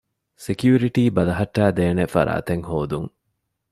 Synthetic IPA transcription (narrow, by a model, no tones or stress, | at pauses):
sekjuːɾiʈiːbɐlɐɦɐʈːaːd̪eːnefɐ̰ɾa̰ːt̪eŋhoːd̪uŋ